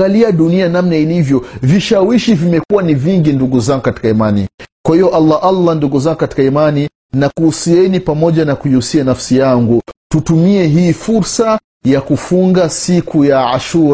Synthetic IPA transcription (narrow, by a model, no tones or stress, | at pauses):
ɡaliaɗunianamnailivjɔviʃawiʃivimɛkuwaniviŋɡinduɡuzaŋɡukati̥kaimanḭkwahijɔʔalːaʔalːanduɡuzaŋɡukati̥kaimani | nakuːsiɛnipamɔʄanakuiusianafsijaŋɡututumiɛɦiːfuɾsa | jakufuŋɡasikʰujaaʃuɾ